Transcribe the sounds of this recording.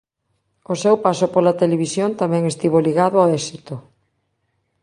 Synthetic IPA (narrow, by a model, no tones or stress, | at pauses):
osewpasopolat̪eleβ̞isjont̪amɛ̃ŋest̪iβoliɣaðʊawɛsit̪o